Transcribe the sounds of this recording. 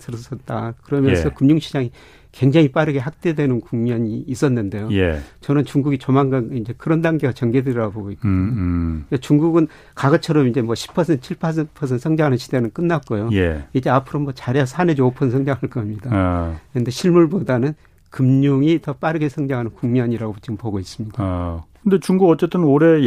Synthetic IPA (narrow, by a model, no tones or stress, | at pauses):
sʰɯɾʌs͈ʌt̚t͈akɯɾʌmjʌnʰʌkɯmɲuŋɕʰid͡ʑaŋi | kwe̞ŋd͡ʑaŋip͈aɾɯɡe̞hak̚t͈e̞dwe̞nɯnkuŋɲʌɲiːs͈ʌnːɯnde̞joḛt͡ɕʌnɯnt͡ɕuŋɡuɡit͡ɕomaŋɡanid͡ʑe̞kɯɾʌndaŋɡeɡat͡ɕʌŋɡedɯɾɾaboɡoik͈odoet͡ɕuŋɡuɡɯn | kaɡʌt͡ɕʰʌɾʌmind͡ʑe̞mwʌɕʰi̥pʰʌsʰent͡ɕʰiɭpʰas̬ʰenpʰʌs̬ʰentsʰʌŋd͡ʑaŋɦanɯnɕʰi̥de̞nɯnk͈ɯnːat̚k͈ojojḛid͡ʑe̞apʰɯɾomwʌt͡ɕaɾjʌsʰaned͡ʑoopʰʌnsʰʌŋd͡ʑaŋhaɭk͈ʌmɲidakɯnde̞ɕʰiɭmuɭbodanɯn | kɯmɲoŋitʌp͈aɾɯɡe̞sʰʌŋd͡ʑaŋɦanɯnkuŋmjʌɲiɾaɡot͡ɕiɡɯmpoɡois͈ɯmɲid̥akɯndet͡ɕuŋɡuɡʌt͡ɕ͈e̞t͈ɯnoɾe̞